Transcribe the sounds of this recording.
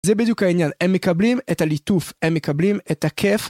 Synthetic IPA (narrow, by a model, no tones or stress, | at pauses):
zɛbed̪jukhainjanɛmːekablimɛtalit̪ufɛmːekablimɛt̪akʰɛf